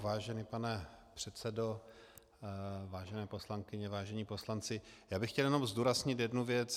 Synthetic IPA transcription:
vaːʒɛnipanɛpr̥ɛt̪t͡sɛdo̞ | vaːʒɛnɛːpo̞slaŋkɪɲɛvaːʒɛɲiːpo̞slant͡sɪjaːbɪxcɛljɛno̞mzduːɾazɲɪt̪jɛdnuvjɛt͡s

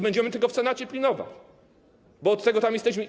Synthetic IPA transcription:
bɛɲd͡ʑɛmɘt̪ɘlkɔfsɛnat͡ɕɛpʲlʲinɔva̰t͡ɕ | bɔːt̪ːɛɡɔt̪amjɛst̪ɛɕmɘ

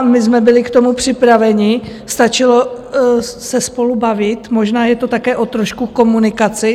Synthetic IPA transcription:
mɪzmɛbɪlɪkt̪o̞mupr̝̥ɪpɾavɛɲɪ | st̪at͡ʃɪlo | sɛspo̞lubavɪt̪mo̞ʒnaːjɛt̪ot̪akɛːʔo̞t̪ɾoʃkuko̞munɪkat͡sɪ

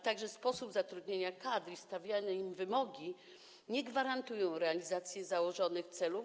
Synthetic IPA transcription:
t̪aɡʐɛspɔsubzat̪ɾud̪ɲeɲakad̪ɾist̪avʲjaɲɛimvɘmɔɡʲi | ɲɛɡvaɾant̪ujɔ̃w̃ɾɛalʲizat̪sʲjɛzawɔʐɔnɘxt̪sɛlu

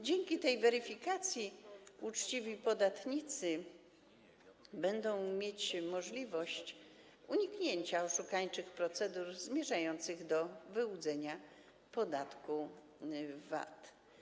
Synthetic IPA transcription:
d͡ʑeŋkʲit̪ɛjvɛɾɘfʲikat̪sʲjiut͡ʂt͡ɕivʲipɔd̪at̪ɲit̪sɘ | bɛnd̪ɔ̃w̃mʲjet͡ɕmɔʐlʲivɔɕt͡ɕ | uɲikɲeɲt͡ɕaɔʂukaɲt͡ʂɘxpɾɔt̪sɛd̪uɾzmʲjɛʐajɔnt̪sɘɣd̪ɔvɘwud̪zɛɲa | pɔd̪at̪ku | va̰t̪

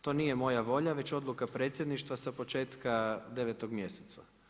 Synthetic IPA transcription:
t̪o̞ːnije̞mo̞jaʋo̞ʎaʋe̞t͡ɕo̞d̪lukapɾe̞ːt̪sjed̪niʃt̪ʋasapo̞t͡ʃe̞ːt̪kad̪e̞ʋet̪oɡmje̞set̪sa̰

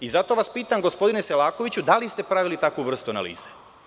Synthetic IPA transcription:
izat̪o̞ʋaspiːt̪amɡo̞spo̞d̪ineselaːko̞ʋit͡ɕud̪alist̪e̞pɾaʋilit̪akuʋr̩st̪uana̰lḭːz̥e

